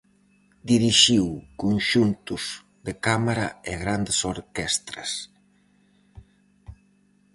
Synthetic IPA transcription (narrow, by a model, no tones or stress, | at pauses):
d̪iɾiʃiwkunʃunt̪uz̥ | ðekamaɾaɪɣɾand̪esoɾkɛst̪ɾɐ̰s